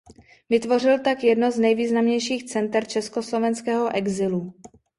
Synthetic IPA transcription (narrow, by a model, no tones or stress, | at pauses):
vɪt̪vo̞r̝ɪlt̪akjɛdnoznɛjviːznamɲɛjʃiːxt͡sɛnt̪ɛɾt͡ʃɛskoslo̞vɛnskɛːɦo̞ʔɛɡzɪlu